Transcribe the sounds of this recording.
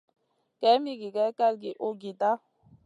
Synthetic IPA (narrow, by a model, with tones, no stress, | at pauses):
kɛ˨˦mi˦ɡi˨kɛ˨˦ka˦lɡi˨ʔo˦ɡi˨ta˦